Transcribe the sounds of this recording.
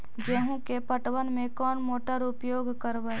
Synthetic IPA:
d͡ʒeːɦũkepəʈwənmẽkɔːnmoːʈəɾʊpjoːɡʱkəɾbə

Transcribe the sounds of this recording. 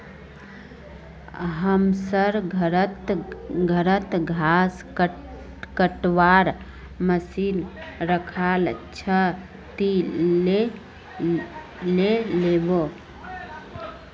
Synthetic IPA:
ɦəmsəɾɡʱəɾət̪ɡʱəɾət̪ɡʱas | kəʈwaɾ | məsinɾəkʰalt͡ʃʰə | t̪ile | lelebo

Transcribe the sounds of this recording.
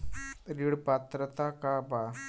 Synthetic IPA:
ɾiɽpat̪ɾət̪akaba

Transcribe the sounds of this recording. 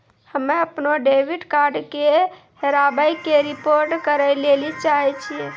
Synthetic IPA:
həmeəpnoɖebʱiɖkaɾɖke | heɾabəjkeɾipoɾʈkəɾəjlelit͡ʃaɦɛt͡ʃʰiɛ

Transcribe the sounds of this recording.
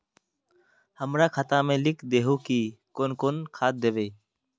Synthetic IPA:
həmɾakʰat̪ãmẽːlɪkʰd̪eːɦukikonkonkʰaːt̪̚d̪eʋeː

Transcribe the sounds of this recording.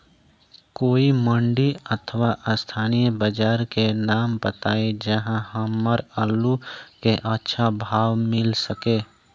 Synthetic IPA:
koːimə̃ɳɖiət̪ʰəʋaʔəst̪ʰaːnijəbəd͡ʒaːɾkenaːmbət̪aːed͡ʒəɦãɦəmːəɾəlːukeʔətːʃʰabʱaːwmɪlsəkeː

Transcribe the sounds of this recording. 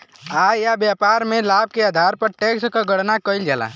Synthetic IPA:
aːjabjaːpaːɾmẽlaːb̚keaːd̪ʱaːɾpəɾʈeːkskaɡəɽnakəɪld͡ʒaːla̰

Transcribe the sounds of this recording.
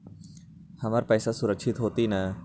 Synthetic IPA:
həmaɾpɛːsasʊɾəkʃʰɪt̪ɦoːt̪inɐ

